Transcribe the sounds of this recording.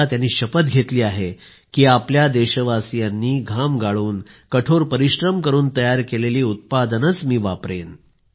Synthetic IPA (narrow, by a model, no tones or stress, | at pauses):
at̪janːiːɕəpət̪ɡʱet̪liːaɦe | kiːapljad̪eɕəʋasijanːiːɡʱamɡaɭuːnkəʈʰoɾpəɾiɕɾəmkəɾuːnt̪əjaɾkeleliːut̪̚pad̪ənət͡smiːʋapɾen